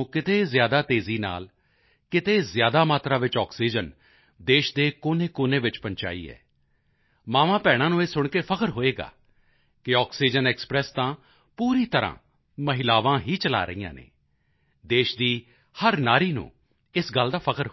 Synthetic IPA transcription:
kɪt̪eːzjaːd̪aːt̪eːziːna̰ːl | kɪt̪eːzjaːd̪aːmaːt̪ɾaːʋɪt͡ʃɔːksiːd͡ʒən | d̪eːʃd̪eːkoːneːkoːneːʋɪt͡ʃpəɲt͡ʃa̰ːḭːɛ̰ː | maːʋãːpɛːɽ̃aːnũːeːsʊɳkeːpʰəkəɾɦoːeːɡa̰ː | kɪɔːksiːd͡ʒənɛːkspɾɛːst̪ãː | puːɾiːt̪əɾã̰ː | məɦɪlaːʋãːɦiːt͡ʃəla̰ːɾə̰iːjã̰ːnḛː | d̪eːʃd̪iː | həɾnaːɾiːnṵ̃ː | ɪsɡəld̪aːpʰəkəɾ

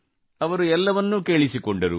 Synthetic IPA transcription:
ɐʋɐɾuɛlːɐʋɐnːuke̞ːɭisikoɳɖɐɾṵ

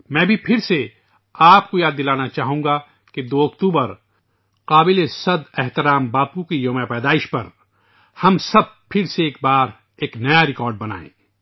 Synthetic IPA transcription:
mɛ̃ːbʱipʰɪɾse | aːpkojaːd̪ːɪlaːnat͡ʃaːɦũ̆ːɡa | ked̪oːɐkt̪uːbəɾ | qaːbɪlesɐd̪ɛɦt̪ɪɾaːmbaːpukijoːmapɛːd̪aːɪʃpɐɾ | hɐmsɐb̚pʰɪɾseeːk̚baːɾ | eːknɐjaɾɪkɔːɾɖ̚bɐna̰ːḛ̃ː

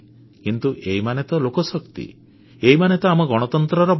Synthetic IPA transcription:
kint̪uʔeɦimanet̪ɔlokɔsɔkt̪ḭ | eimanet̪ɔamɔɡɔɽ̃ɔt̪ɔnt̪ɾɔɾɔb

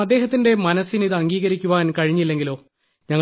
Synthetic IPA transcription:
ɐd̪ːeːɦɐt̪ːinde̞mɐnɐsiniðɨɐŋɡiːɣɐɾikʲːuʋaːnkɐɻiɲːilːe̞ŋɡilo̞ː | ɲɐŋː

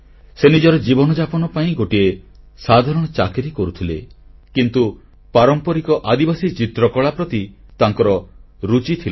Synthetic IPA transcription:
senid͡ʒɔɾɔd͡ʒibɔnɔd͡ʒapɔnɔpaĩɡoʈie | sad̪ʱaɾɔɽ̃ɔt͡ʃakeɾikɔɾut̪ʰilekint̪u | paɾɔmpɔɾikɔʔad̪ibasit͡ʃit̪ɾɔkɔɭapɾɔt̪it̪aŋkɔɾɔɾut͡ʃit̪ʰil

